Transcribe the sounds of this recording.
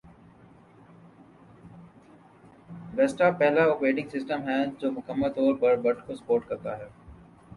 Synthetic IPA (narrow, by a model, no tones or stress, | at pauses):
bɛsʈapɛɦlaoːkɾeːʈɪ̃ŋɡsɪsʈəmɦɛd͡ʒoːmʊkəmːəlt̪ɔːɾbɐɾbɐʈkosɐ̥poːɾʈ̚kɐɾt̪aɦɛː